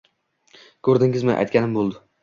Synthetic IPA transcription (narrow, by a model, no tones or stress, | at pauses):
kʰɵɾd̪ɪŋɪzmɪʔa̰jt̪kʲanɪmbolˠd̪ɪ